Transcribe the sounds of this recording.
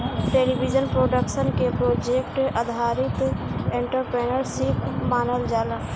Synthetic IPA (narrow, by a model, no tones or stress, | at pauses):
ʈeːlibid͡ʒənpɾoːɖəkʃənkepɾoːd͡ʒeːkʈɐd̪ʱaːɾɪt̪ẽɳʈəɾpɾeːnəɾsikmaːnəld͡ʒaːlə